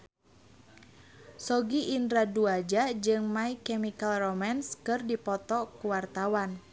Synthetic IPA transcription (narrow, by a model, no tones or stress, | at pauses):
sɔɡiʔːndɾaduad͡ʒad͡ʒɨŋmaikɛmikalromanskɨrdipɔt̪ɔkuwart̪awan